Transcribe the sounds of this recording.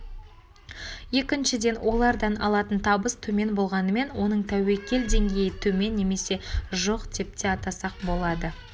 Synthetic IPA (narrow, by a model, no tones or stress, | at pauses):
je̞kʲɪnʃɪd̪e̞nwʔo̞lˠɑɾd̪ɑnɑ̰lˠɑt̪ənt̪ʰɑbəst̪ʰɵme̞nbo̞lˠʁɑnəme̞nwo̞nəɴt̪ʰæwe̞lkʲe̞ld̪e̞ŋɡʲe̞jɪt̪ʰɵme̞nːe̞me̞se̞ʒoqd̪e̞p̚t̪e̞ɑt̪ɑsɑq̚bo̞lˠɑd̪ə